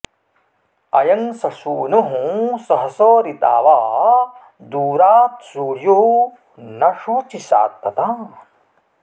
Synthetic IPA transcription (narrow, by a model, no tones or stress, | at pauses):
ɐjɐŋsɐsuːnuɦũsɐɦɐsoːɾit̪a̰ːʋaː | d̪uːɾaːt̪suːɽju | nɐʂuːt͡ʃisa̰ːk̚pɐt̪aː